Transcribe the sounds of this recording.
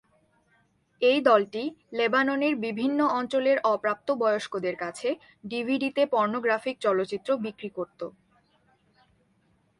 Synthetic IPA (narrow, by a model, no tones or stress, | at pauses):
ejd̪ɔlʈilebanoneɾbibʱinːoɔnt͡ɕoleɾɔpɾap̚t̪obɔeoʃkod̪eɾkat͡ɕʰe | ɖibʱiɖit̪epɔɾnoɡɾafik̚t͡ɕɔlotːɕit̪ːɾobikɾikoɾt̪o̰